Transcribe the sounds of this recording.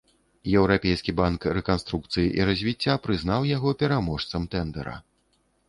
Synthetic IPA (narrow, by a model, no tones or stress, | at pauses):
jɛwɾapʲejskʲibankrɛkanst̪ɾukt̪sɨjiʔiɾɐzʲvʲit͡sʲːapɾɨznawjaɣɔpʲɛɾamɔʂt̪sɐmt̪ɛnd̪ɛɾɐ̰